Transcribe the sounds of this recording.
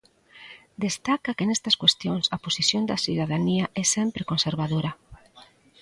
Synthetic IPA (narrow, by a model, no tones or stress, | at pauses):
d̪est̪akɐkenɛst̪ɐskwest̪joŋsɐposisjond̪ɐsiðaðaniɐʔɛsɛmpɾekonseɾβaðoɾɐ